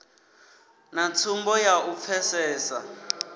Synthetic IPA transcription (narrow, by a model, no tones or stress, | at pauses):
nat͡sʰumbɔjaʔup̪fʰɛsɛːsa̰